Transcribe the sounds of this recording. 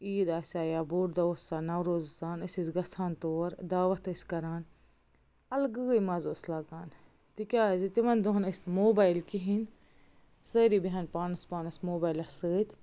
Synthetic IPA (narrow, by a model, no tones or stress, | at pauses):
iːd̪aːsʲaːjaːbuːʈd̪ɐosaːnɐwɾoːzsaːnɐsizɡɐsʰaːnt̪oːɾd̪aːʋɐt̪əsʲkɐɾaːn | ɐlɡɨːjmɐzoːslaːɡaːn | t̪ikʲaːzit̪imɐnd̪oɦɐnɐsnmoːbaːjlkiɦin | səːɾibiɦɐnpaːnɐspaːnɐsmoːbaːilɐsəːt̪ʲ